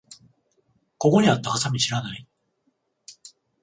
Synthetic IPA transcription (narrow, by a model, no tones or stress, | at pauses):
ko̞ko̞ɲ̟iat̪ːaasamʲiɕiɾanai